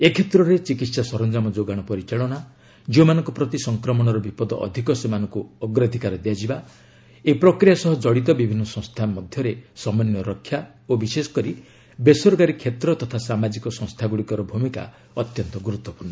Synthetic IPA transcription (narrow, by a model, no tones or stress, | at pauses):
ekʰet̪ɾɔɾet͡ʃikit̪sasɔɾɔnd͡ʒamɔd͡ʒoɡaɽ̃ɔpɔɾit͡ʃaɭɔna | d͡ʒiomanɔŋkɔpɾɔt̪isɔŋkɾɔmɔɽ̃ɔɾɔbipɔd̪ɔ̰ʔɔ̰d̪ʱikɔsemanɔŋkuɔɡɾad̪ʱikaɾɔd̪ejad͡ʒiba | epɾɔkɾijasɔɦɔd͡ʒɔɽit̪̬ɔbibʱinːɔsɔ̃ŋ̃st̪ʰamɔd̪ʱjɔɾesɔmanːɔɾɔkʰːja | obisesɔ̥kɔɾi | besɔɾɡaɾikʰːet̪ɾɔt̪ɔt̪ʰasamad͡ʒikɔsɔ̃ŋst̪ʰaɡuɽikɔɾɔbʱumika̰ | ɔt̪jɔnt̪ɔɡuɾut̪ːɔpuɾnɔ